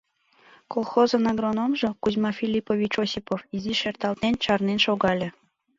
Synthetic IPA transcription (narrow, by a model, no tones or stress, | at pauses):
kolˠxozɤnɑɡronomʒokuzʲmɑfʲilʲipovʲit͡ɕosʲipofiziʃert̪ɑlt̪nent͡ɕɑrnenʃoɣɑlʲĕ